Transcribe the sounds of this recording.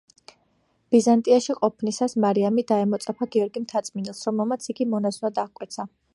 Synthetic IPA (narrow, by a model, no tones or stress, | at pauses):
b̥izant̪ʼiaʃiqʼɔpʰnisasmaɾiamid̪aɛmɔt̪sʼapʰaɡiɔɾɡimt̪ʰat̪sʼminɛlˠsɾɔmɛlˠmat̪sʰiɡimɔnasunad̪akʼwɛt̪sʰa